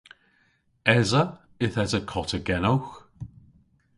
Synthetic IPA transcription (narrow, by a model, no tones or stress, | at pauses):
ɛzə | ɪθɛzəkʰɔtʰəɡɛnowx